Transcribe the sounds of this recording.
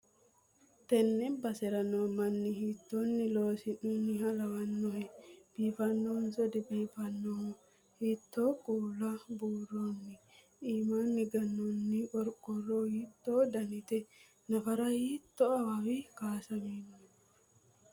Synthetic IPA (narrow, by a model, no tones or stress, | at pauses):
t̪ɛnːɛbɐsɛɾɐnoːmɐnːɪhiːt̪ːonːɪloːsɪnunːɪhɐlɐwɐnːɔhɛb̥iːfɐnːɔnsɔd̪ɪbiːfɐnːo | hiːt̪ːoːkʼuːlɐbuːrːonːɪ | ʔiːmaːnːɪɡɐnːɔnːɪʔɔɾkʼːɔroːhiːt̪ːoːd̪ɐnɪt̪ɛ | nɐfɐɾɐhiːt̪ːɔɐwawɪkaːsɐmiːno